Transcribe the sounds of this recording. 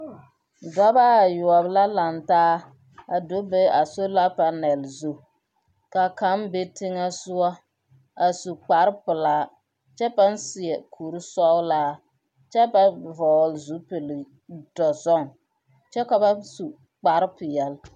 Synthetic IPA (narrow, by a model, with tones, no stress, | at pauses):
dɔ˦ba˦a˨jʊ˨a˨bla˦la˨ntaː˦ | a˨do˦be˦a˨so˦la˦pa˨nɛ˨lzu˦ | ka˨ka˨˦mbe˦tɪ˦ŋa˦sʊ˦a˦ | a˨su˨k͡pa˨ɾpʊ˨laː˦ | t͡ʃɛ˦ba˦nsɪ˨ɛ˨kʰu˨ɾi˦sɔ˦wlaː˦ | t͡ʃɛ˦ba˦vɔː˨lzu˦pe˨l | d̥ɔ˨zɔ˦ŋ | t͡ʃɛ˦ka˨ba˦su˨ | k͡pa˨ɾpɪ˨jɛ˨l